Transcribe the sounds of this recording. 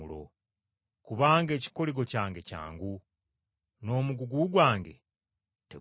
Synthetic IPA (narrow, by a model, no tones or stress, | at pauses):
ulo̰ | kuβaːŋɡe̞ːci̥ko̞liɡo̞caːŋɡe̞ca̰ːŋɡu | no̞ːmuɡuɡuɡwaːŋɡe̞̰ | te